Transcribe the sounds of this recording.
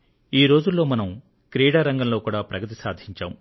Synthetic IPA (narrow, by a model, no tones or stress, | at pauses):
iːɾo̞ːd͡ʒulːo̞ːmɐnɐm | kɾiːɽaːɾɐŋɡɐmlo̞ːkuːɽaːpɾɐɡɐt̪̬isaːd̪ʱiɲt͡ʃa̰ːm